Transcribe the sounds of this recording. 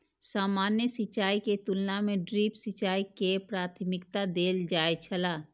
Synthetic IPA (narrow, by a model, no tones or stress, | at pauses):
saːmaːnjəsɪt͡ʃaːiket̪ulnamẽɖɾiːpsɪt͡ʃaːikepɾaːt̪ʰmɪkt̪ad̪eːld͡ʒaːet͡ʃʰəlaː